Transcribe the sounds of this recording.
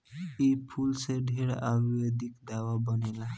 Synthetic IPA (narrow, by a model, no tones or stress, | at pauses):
ejpʰulseɖʱiɾabijod̪ikd̪awabɔnela